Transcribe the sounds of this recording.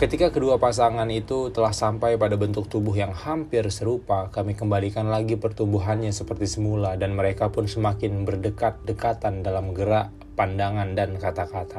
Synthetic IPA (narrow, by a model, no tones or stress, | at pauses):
kət̪ikakəduapas̬aŋanit̪ut̪əlahsampajpadabənt̪ʊk̚t̪ubʊɦjaŋhampɪrsəɾupakamikəmbalikanlaɡipərt̪umbuɦanɲasəpərt̪isəmuladanməɾekapʊnsəmakɪnbərdəkat̪̚dəkat̪andalamɡəɾaʔ | pandaŋandankat̪akat̪a